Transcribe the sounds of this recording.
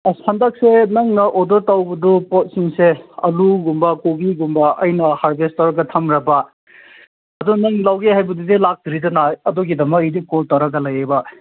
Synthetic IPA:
ɐsandak̚senɐŋnɐʔɔdɔɾtawbɐdupɔt̚siŋseɐ̰luɡumbɐkoɡiɡumbɐɐjnɐhaɾbestaɾɐkɡɐtʰɐmɾɐbɐ | ɐdunɐŋlawɡihajbɐdudilak̚diɾidɐnaɐdoɡidɐmɐkijdikɔltawɾɐɡɐlɐjebɐ

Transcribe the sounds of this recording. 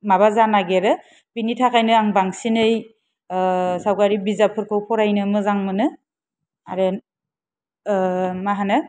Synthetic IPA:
maβazanaɡeɾɯ | binitʰakʰajnɯaŋbaŋsinɯj | sawkaɾibizapʰɯɾkʰɯwpʰɔɾajnɯmɯzaŋmɯnɯ | a̰ɾe | maɦanɯ

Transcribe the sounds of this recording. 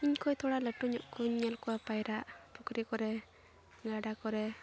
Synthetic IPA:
iɲkojt̪ɔɽaləʈːuɲɔʔkuɲɲelkuapajɾaʔpukɾikɔɾe | ŋɡaɖakɔɾe

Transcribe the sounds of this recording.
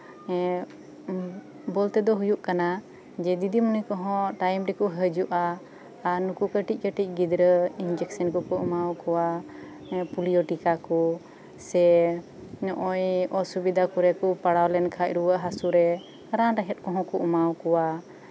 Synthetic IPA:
ɛ | bɔlt̪ɛd̪ɔɦujuʔkana | d͡ʒɛd̪id̪imənujkɔɦɔ̃ʈajmɾɛkɔɦəd͡ʒuʔaː | ɾnukukəʈic̚kəʈic̚ˀɡid̪ɾəind͡ʒɛksənkɔkɔʔumawkɔwa | pulijɔʈikakɔ | sɛ | ɲɔʔɔjɔsubid̪akɔɾɛkɔpaɽawlɛnkʰac̚ɾuwəʔɦasuɾɛ | ɾanɾaɦɛt̪̚kɔ̃ɦɔ̃kɔʔumawkɔwa

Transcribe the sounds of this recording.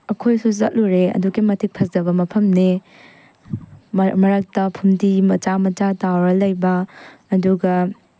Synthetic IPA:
ɐkʰojsuzɐt̚luɾeɐ̰duɡimɐtʰik̚pʰɐsdɐbɐmɐpʰɐmne | mɐɾak̚tɐpʰumdimɐt͡ʃamɐt͡ʃatawɾɐlɐjbɐːduɡɐ

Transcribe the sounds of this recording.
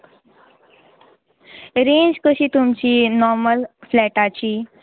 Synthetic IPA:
ɾẽɲd͡ʑkəɕiːt̪umt͡ɕiːnɔɾməlflɛʈat͡ɕiː

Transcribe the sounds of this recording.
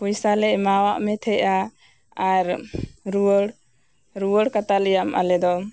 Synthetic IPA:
pujsalɛʔmawaʔmɛt̪ʰɛʔa | aɾɾuwəɽ | ɾuwəɽkat̪alɛjamʔa̰lɛd̪ɔ

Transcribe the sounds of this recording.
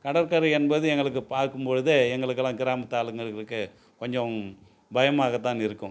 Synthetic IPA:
kɐɽɐɾkɐɾɐɛnbɐðɯɛŋɡɐɭɯk̬ːɯpaːɾkɯmpoɻɯðɯɛŋɡɐɭɯkːɯlːãːkɪɾaːmɐt̪ːaːlɯŋɡɐɭɯɭɯkːɯ | kɔɲd͡ʒɔ̃ | bɐjɐmaːɣɐt̪ːãːnɪɾɯkːʊ̃

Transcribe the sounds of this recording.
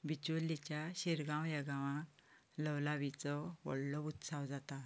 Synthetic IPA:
bit͡ɕulːit͡ɕjaɕiɾɡãwjəɡãʋã | ləwlaʋit͡sɔʋɔ̰ɽlɔut̪sawd͡zat̪a

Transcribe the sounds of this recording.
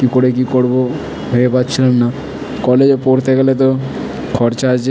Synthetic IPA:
kikoɽek̬ikoɽbo | ɦoepatt͡ɕʰilenːa | kɔled͡ʑpoɾt̪ʰeɡelet̪o | kʰɔɾt͡ʃaːd͡ʒe

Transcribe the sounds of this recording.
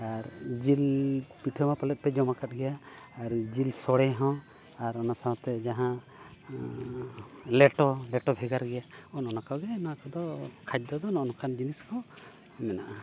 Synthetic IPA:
aɾd͡ʒilpiʈʰəmapalɛt̪̚ˀpɛd͡ʒɔmakat̚ˀɡɛjaː | ɾd͡ʒilsɔɽɛɦɔ̃ | aɾɔnasaɦɔ̃t̪ɛd͡ʒaɦã | lɛʈɔlɛʈɔbʱɛɡaɾɡɛjaɔnɔnakawɡɛnakɔd̪ɔkʰad͡ʒ̚d̪ɔd̪ɔnɔɔnɔkʰand͡ʒiniskɔ | mɛnaʔa

